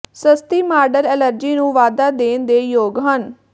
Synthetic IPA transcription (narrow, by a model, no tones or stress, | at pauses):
səst̪iːmaːɾɖəɾɛːləɾd͡ʒiːnũːʋaːd̪aːd̪eːnd̪eːjoːɡɦən